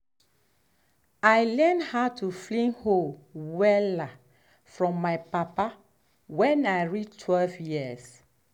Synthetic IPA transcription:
ajlɛndhatʰuflĩnholwɛla | fɹɔ̃mːajpapa | wɛ̃najɹitʰwɛlvjiəs

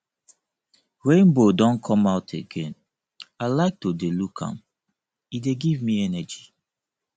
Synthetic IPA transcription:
ɹẽnbodɔ̃nkʰɔ̃maʊtʰeɡẽn | aɪlaɪk̚todelukʰã̰m | ideɡivmiɛnɛd͡ʒi

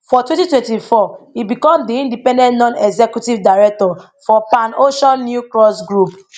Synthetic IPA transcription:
fɔtwɛ̃ntitwɛ̃ntifɔibikɔ̃mdiĩndipɛ̃ndɛ̃ntnɔ̃nɛɡzɛkjutivdaɹɛk̚tɔ | fɔpãnoʃɔ̃nːjukɹɔsɡɹup

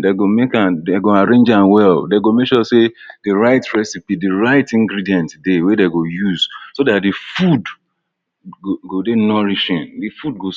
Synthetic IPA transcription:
deɡomekãndeɡoaɹẽnd͡ʒãnwɛldeɡomekʃɔsedɨɹaɪtɹɛsipidiɹaɪtĩŋɡɾidiɛ̃ntdewedeɡojuz̥sodat̚difud | ɡodenɔɹiʃĩndifud̚ɡo

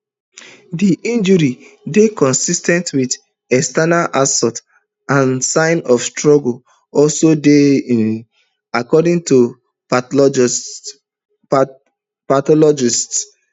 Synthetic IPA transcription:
diʔĩnd͡ʒuɾidekɔ̃nsistɛ̃ntwid | ɛstanaʔasɔt | ãnsãɪ̃nɔfstɹɔɡl | ɔlsodeĩn | akɔdĩŋtu | patɔlɔd͡ʒists

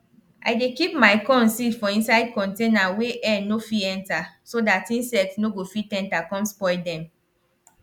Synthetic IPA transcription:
ʔajdekipmaɪkɔ̃nsifɔ̃ĩnsaɪd̚kɔ̃ntẽnaweʔɛnofiɛ̃ntasodatĩnsɛk̚tnoɡofitɛ̃ntakɔ̃mspɔɪdɛ̃m

